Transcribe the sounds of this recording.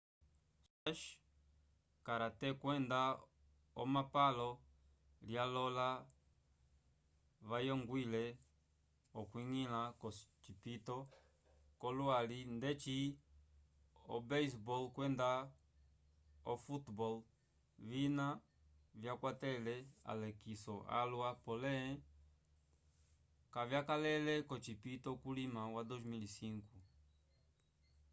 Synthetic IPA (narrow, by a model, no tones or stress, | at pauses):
saʃ | kaɾatɛkwɛnda | ɔmapalɔ | ljalɔla | βajɔŋɡwilɛ | ɔkwiŋilakɔt͡ʃipitɔ | kɔlwalindɛt͡ʃi | ɔ̰bɛs̬bɔlkwɛnda | ɔfutbɔl | vina | vjakwatɛlɛa̰lɛkisɔʔa̰lwapɔlɛɛ̃ | kavjakalɛlɛkɔt͡ʃipitɔkulimawadɔzmilisiŋku